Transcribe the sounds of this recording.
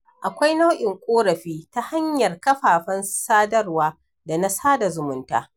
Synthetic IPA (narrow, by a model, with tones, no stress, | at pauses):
ʔa˨kʷa˦jna˦wʔɪ˨ŋkʷʼoː˦ɾɐ˨ɸiː˦ta˦ha˦ɲjɐ˨rkɐ˦ɸaː˨ɸɐ˦nsaː˦dɐ˦rwaː˦ | da˨na˦saː˦da˨zʊ˨mʊ˦nta̰ː˦